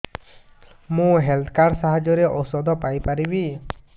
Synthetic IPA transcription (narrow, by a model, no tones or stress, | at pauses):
mũɦelt̪ʰkaɾsaɦad͡ʒɔɾeʔɔsɔd̪ɔpajpaɾibi